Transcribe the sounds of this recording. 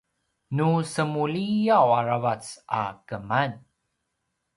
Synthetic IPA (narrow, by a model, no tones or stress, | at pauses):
nusəmulijawaɾavat͡sa̰kəman